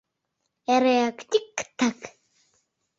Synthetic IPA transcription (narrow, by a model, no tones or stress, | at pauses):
ɛɾeakt̪ʲikːt̪ʰːak